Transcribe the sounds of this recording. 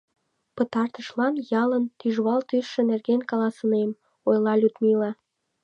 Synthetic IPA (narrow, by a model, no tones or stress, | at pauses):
pət̪ɑrt̪əʃlɑnjɑlənt̪yʒβɑlt̪yʃːĕnerɣenkɑlɑsənem | ojlɑlʲut̪milɑ